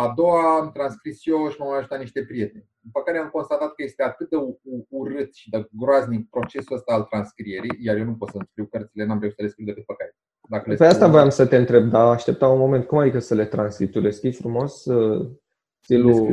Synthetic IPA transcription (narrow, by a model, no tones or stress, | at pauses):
ad̪o̞waːmt̪ɾanskɾisʃijoʃimomaəjaʒut̪aniʃt̪e̞pɾije̞t̪e̞nʲ | impəkaɾeamko̞nst̪at̪at̪̚kəje̞st̪e̞at̪ɨt̪̚d̪euuuɾɨt̪ʃid̪əɡɾoazʲnik̚pɾo̞t͡ʃe̞suəst̪aːlt̪ɾanskɾije̞ɾijjarjenupot̪səɨnskɾiwkərt̪sile̞namɾeusəleskɾiwd̪ekɨt̪̚pəkaɾe | d̪akəlepeast̪avojamsət̪eɨnt̪ɾe̞b̚d̪aːʃt̪e̞p̚t̪aunmo̞me̞nt̪̚kumad̪ikəsəle̞t̪ɾanskip̚t̪uleskifɾumo̞sə | st̪ilu